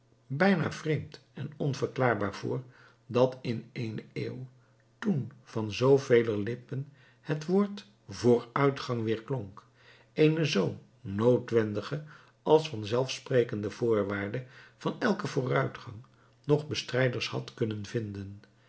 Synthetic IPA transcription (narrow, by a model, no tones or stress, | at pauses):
bɛjna̰ːv̥rejmt | ɛnɔnvəɹklaːɹbaːɹv̥ʊ̰ːɹ | dɑtɪnejnḛːw | tunv̥ɑnzowvejləlɪpən | hətʋʊːɹt | vʊːɹœɥtχɑŋʋɪːɹklɔŋk | ejnəzow | nowtʋɛndəχə | ʔɑlˠsfɑnzɛlˠfsprejkəndəv̥ʊːɹʋaːɹdəv̥ɑnɛlˠkəvʊːrœɥtχɑŋ | nɔχbəstrɛjdəɹshɑ̰tkɵnənvɪndən